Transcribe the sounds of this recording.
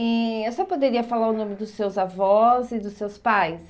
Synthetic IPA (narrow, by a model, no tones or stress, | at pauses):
ɛewsɔpod̪eɾiɐfalaɾʊnõmɪd̪ʊsːewzavɔzɪd̪ʊsewspajs